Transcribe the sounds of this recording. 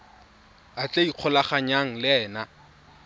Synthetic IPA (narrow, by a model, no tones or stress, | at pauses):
at͡ɬʼeiq͡χʰɔlaχaɲaŋ̩lɪɛːna